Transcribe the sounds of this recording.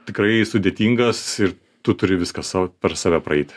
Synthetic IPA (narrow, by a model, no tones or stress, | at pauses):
t̪ʲɪkɾɐɪsʊd̪ʲeːt̪ʲiːŋɡɐsɪr | t̪ʊt̪ʊɾʲɪʋʲɪskɐsɑːpʲɛɾsɑːʋʲæprɐɛɪt̪ʲɪ̥